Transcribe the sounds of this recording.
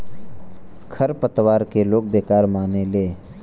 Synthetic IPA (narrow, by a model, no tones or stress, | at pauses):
kʰəɾpət̪waːɾkeloːk̚beːkaːɾmaːneleː